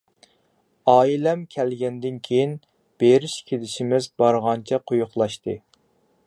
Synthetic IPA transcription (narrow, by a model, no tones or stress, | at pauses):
ɑːilɛmkʲʰɛlɡʲɛnd̪ɪnkʲʰejin | b̥eɾiʃkʲʰelɪʃimɪzbɑɾʁɑnt͡ʃʰɛqʰojʊχlˠɑʃt̪ɨ